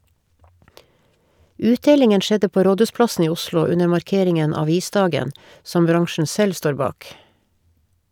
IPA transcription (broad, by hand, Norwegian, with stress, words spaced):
ˈʉːtˌdeːlɪŋən ˈʃɛdə ˈpoː ˈɾoːdʉːsplɑsn̩ ˈiː ˈʊslʊ ˈʉnə mɑɾˈkeːɾɪŋən ɑˈʋiːˌsdɑːɡən ˈsɔm ˈbɾɑŋʃɳ̩ ˈsɛl ˈstoːɾ ˈbɑːk